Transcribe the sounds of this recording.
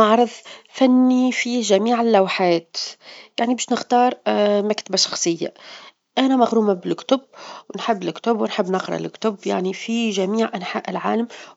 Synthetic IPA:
ɑʕɾˤɑðˤfanːifiʒamiːʕɪlːawħaːt̪jaʕnibaːʃnɪxt̪ɑːɾˤmakt̪abaʃɑ̥xsˤɨjːa̰ | ʔanamaɣɾuːmabɪlkt̪ʊbwɪnħɪbːɪlkt̪ʊbwɪnħɪbːnɪqɾˤɑ̰ʔlkt̪ʊbja̰ʕnifiʒamiːʕʔanħa̰ːʔɪlʕa̰ːlam

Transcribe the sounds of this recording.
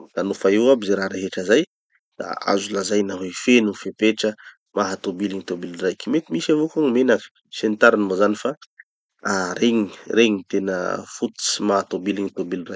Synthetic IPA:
d̪̥anufaiwabizeɾaɾeɦeʈ͡ʂəzaj | d̪̥a̰a̰zulazajnaɦifenufepeʈ͡ʂə | maɦat̪obiliɲit̪obilurajkʲimet̪imisavokaŋimenaki̥ | sent̪aɾanimozanifa | aɾeŋireɲit̪enə̰fut̪u̥t͡si̥maɦat̪obiliɲit̪obiliraj

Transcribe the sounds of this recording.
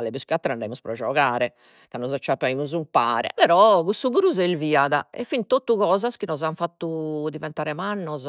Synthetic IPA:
lɛpuskjuat̪ːɾɛand̪aimuspɾɔd͡ʒɔɣaːɾɛ | kanːɔzat͡ʃːapːaimuzumpaːɾɛ̰pɛɾɔkusuβuɾuzɛlviːaðaɛfːint̪ot̪ːuɣɔːzaskinɔzaɱfat̪ːud̪ivɛnt̪aːɾɛmanːɔz

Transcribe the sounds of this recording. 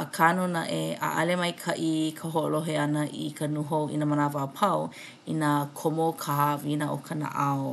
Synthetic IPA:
əkʰanunaʔea̰ʔɐlemɐjkʰɐʔikʰəɦoʔoloɦeɐnəʔikʰənuɦoʔḭnamanavapʰaw | inakʰomokʰaɦavinaʔokʰana̰ʔao

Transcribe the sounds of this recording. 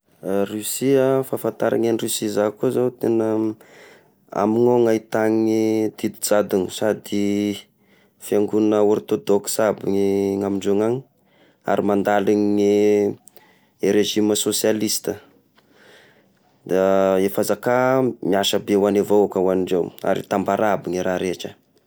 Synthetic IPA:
rysiəfafant̪aɾʔa̰ŋanirysizakuzawt̪enə | a̰miŋoŋait̪aŋid̪̥id̪id͡zad̪unusad̪i | fiaŋɡunnəuɾit̪od̪oksabiŋiŋamiɳɖ͡ʐeŋaŋi | a̰ɾimand̪aliŋi | eɾeʒiməsosialist̪ə | d̪aefazakamiaʃəbewanevowakəwaniɳɖ͡ʐewa̰ɾḭt̪ambaɾabiŋiɾaɾeʈ͡ʂə

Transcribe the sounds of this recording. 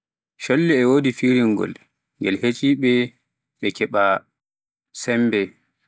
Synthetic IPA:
ʃolːiɛwoːdifiɾiŋːɡɔ̰l | ŋɡɛlhet͡ʃʼiːɓɛ | ɓɛkɛɓa | sɛmbɛ

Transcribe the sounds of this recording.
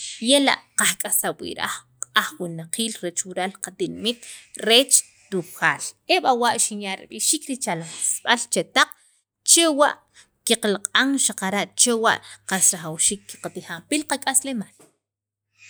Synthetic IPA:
jela̰ʔqakʼasawḭʔɾa̰ | aχwinaqʰiːlɾet͡ʃwiɾalqat̪inimit̪ɾeːt͡ʃ | t̪uxaːleɓawaʔʃinjaʔɾḭɓiʃiːkɾit͡ʃalamasɓalt͡ʃet̪aq͡χ | t͡ʃewa̰ʔ | kiqalaqʼaŋʃaqaɾaʔt͡ʃewa̰ʔqasɾaχawʃiːkːi̥qat̪iχampilqakʼaslemaːl

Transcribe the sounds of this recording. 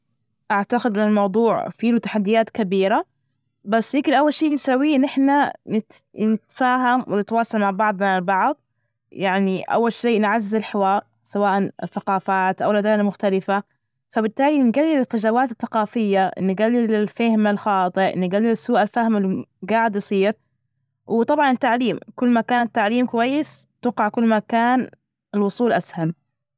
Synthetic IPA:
ʔaʕt̪aɡɪd̪mɪnɪlmɑwd̪ˤuːʕfiːlut̪ḁħad̪ːɪjaːt̪kabiːɾa | basːjɪkɪlʔawːalʃiːʔlsawːiːʔɪnːʔɪħnanɪnɪt̪faːɦamwɪnɪt̪wɑːsˤɑlmaʕbɑʕd̪ˤnalbɑʕðˤ | jaʕniʔa̰wːalʃeːnʕazːɪzɪlħɪwaːɾ | sawaːʔanɪθaqɑːfaːt̪ʔawlad̪aːnamʊxt̪alɪfa | fabɪt̪ːaːlinɡalːɪlɪlfaʒawaːt̪ɪθːaqɑːfɪjːanːɪɡalːɪlɪlfahmalxɑːt̪ˤɨʔʔnːɪɡalːɪlɪsːuːʔalfahmɪlːiɡaːʕɪd̪jɑsˤiːɾ | wt̪ˤɑbʕɑnɪt̪ːaʕliːmkʊlːmakaːnɪt̪ːaʕliːmkwajːɪst̪ʊqɑʕkʊlːmakaːn | ɪlwʊsˤuːlʔasham

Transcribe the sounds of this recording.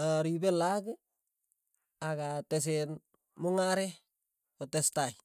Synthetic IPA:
aɾibelaɡ | akates̬en | mʊŋaɾe | kotestaj

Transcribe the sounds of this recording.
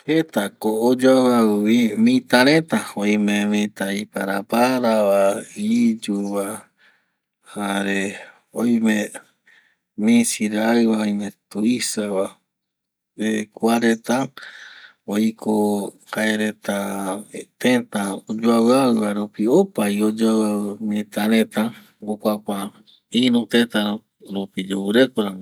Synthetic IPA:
het̪akoːd͡ʒawawimĩt̪aɾẽt̪aoj̃mẽmĩt̪aipaɾapaɾaβaid͡ʒuβa | haɾe | oj̃mẽ | mĩsiɾaɨβaojmẽt̪uisaβa | ekuaɾet̪a | ojkʰo | kaeɾet̪a | t̪ẽt̪ãod͡ʒuaβaɨβaɾupiopaiod͡ʒaβaɨmĩt̪aɾẽt̪a | ɡokʷakʷa | inũt̪ẽt̪aɾõ | ɾupid͡ʒuβɨɾekoɾãŋ

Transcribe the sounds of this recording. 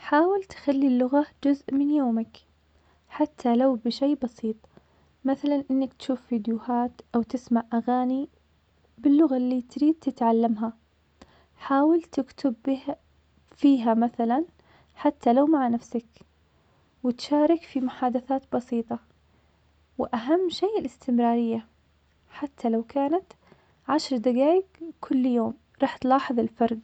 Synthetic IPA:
ħaːwɪlt̪xalːilːʊɣad͡ʒʊzʔmɪnjoːmak | ħat̪ʰːalawbɪʃejːbɑsiːt̪ˤ | maθalanʔɪnːakt̪ʃuːfːiːd̪jʊhaːt̪ʔawt̪ɪsmaʕʔaɣaːni | bɪlːʊɣalːit̪ɾiːd̪̚t̪ɪt̪ʕalːamɦa | ħaːwɪlt̪ɪkt̪ʰʊbb | fiːɦamaθalan | ħat̪ːalawmaʕnafsak | wɪt̪ʃaːɾˤɪkfimʊħaːd̪aθaːt̪bɑsiːt̪ˤɑ | wɪʔaɦamːʃeːʔɪlɪst̪ɪmɾɑːɾɪjːa | ħat̪ʰːalawkaːnat̪ | ʕaʃɾˤd̪aɡaːjɪɡkʰʊlːjoːm | ɾˤɑːħt̪lɑːħɨðˤɪlfɑɾˤd̪

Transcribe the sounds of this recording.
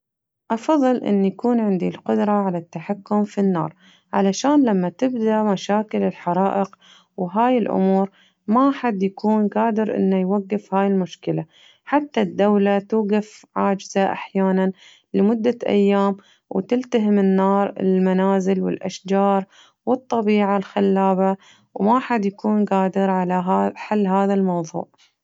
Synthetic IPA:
ʔɑfɑðˤːɨlʔɪ̰nːjakuːnʕɪnd̪ilqʊd̪ɾˤɑʕalat̪ːaħakːʊmfinːɑ̰ːɾˤ | ʕalaʃaːnlamːat̪ɪbd̪aʔmaʃaːkɪlɪlħɑɾˤɑːʔɪq | wɦaːjɪlʔʊ̰muːɾ | maħad̪ːjakuːnɡaːd̪ɪɾʔɪ̰nːajwaɡːɪfhaːjɪlmʊʃkɪla | ħat̪ːad̪ːawlat̪uːɡafʕaːd͡ʒɪzaʔa̰ħjaːnan | lɪmʊd̪ːaʔa̰jːaːm | wt̪ɪlt̪aɦɪmɪnːɑːɾˤɪ̰lmanaːzɪlwɪ̰lʔa̰ʃd͡ʒɑːɾˤ | wɨt̪ˤːɑbiːʕalxalːaːba | wmaħad̪jakuːnɡaːd̪ɪɾʕalaɦaħalːɦaːðalmɑwðˤṵːʕ

